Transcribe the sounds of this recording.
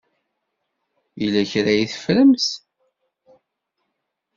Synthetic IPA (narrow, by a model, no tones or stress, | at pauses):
ilːæçɾæjiθə̥fləms